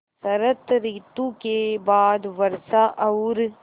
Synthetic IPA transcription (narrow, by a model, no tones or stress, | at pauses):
sɐɾɐt̪ɾiːt̪ukeːbaːd̪ʋɐɾsaʔɐwɾ